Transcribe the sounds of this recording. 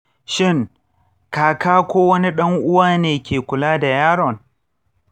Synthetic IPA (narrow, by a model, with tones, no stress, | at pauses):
ʃɪ˦˨ŋ | kaː˨kaː˦kʷoː˦wɐ˦ni˦ɗɐ˦ŋʔʊ˦waː˦neː˨kʲeː˨kʷʊ˨laː˦da˨jaː˦ɽɔ˨n